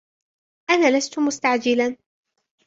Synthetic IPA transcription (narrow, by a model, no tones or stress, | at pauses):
ʔanaːlast̪ʊmʊst̪aʕd͡ʒɪlan